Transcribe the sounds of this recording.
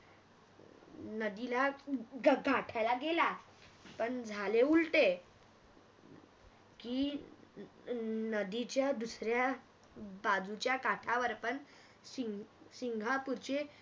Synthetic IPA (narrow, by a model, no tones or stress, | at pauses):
nəd̪ilaɡɡʱaʈʰajlaɡela | pəɳd͡zʱaleulʈe | ki | nəd̪it͡ɕjad̪usɾja | bad͡zut͡ɕjakaʈʰaʋəɾpəɳ | siŋsiŋɡʱapuɾt͡ɕe